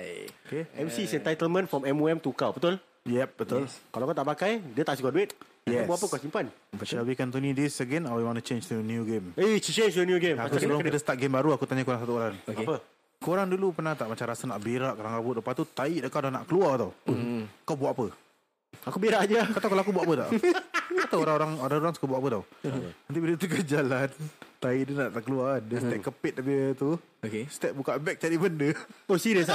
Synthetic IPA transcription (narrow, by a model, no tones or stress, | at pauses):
okeɛmsisɛ̃nt̪ajt̪əlmə̃nfɔmɛmuɛmt̪ukawbət̪ʊl | jɛp̚bət̪ʊlkalawakawt̪aʔpakajdət̪aʔsikɔduɪt̪̚ | jɛabwaʔapəkasimpanbəʃawikant̪̬unĩdisəɡɛnawiwãnət͡ʃẽnt͡ʃdənjuɡemet͡ʃẽnd͡ʒdənjuɡemakulaŋid̪əst̪aʔ̚ɡembaɾuakut̪aɲakoɾaŋsat̪uoɾaŋokepə | koɾaŋdulupənaht̪aʔmat͡ʃamɾasanaʔbeɾaʔkoɾaŋabʊʔ̪̚dəpant̪ut̪aiʔdaʔkːawdana̰ʔkəluat̪aw | kawbuaʔapə | akubeɾaʔd͡ʒakat̪awkalãakubwaʔapət̪aʔkat̪awoɾaŋoɾaŋoɾaoɾaŋsu̥kabuaʔapət̪awant̪ibilət̪ukəd͡ʒalant̪aiʔdənaʔt̪aʔkəluandəst̪ɛp̚kːəpɪt̪̚nabiət̪u | kest̪ɛp̚bukaʔbɛk̚t͡ʃadibəndəosiɾəs